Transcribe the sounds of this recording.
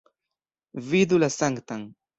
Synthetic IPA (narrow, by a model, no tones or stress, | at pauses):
vid̪ʊlasaŋɡt̪aŋ